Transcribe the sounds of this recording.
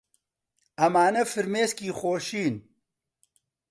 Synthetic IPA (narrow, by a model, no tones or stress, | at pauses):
ɐmaːnɐfɨɾmeːskiːxoːʃiːn